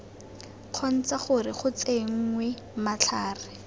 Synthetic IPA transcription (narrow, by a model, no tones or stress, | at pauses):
q͡χʰɔn̩t͡saχʊrɪχʊt͡seŋ̩ŋwe | mat͡ɬʰaːrɪ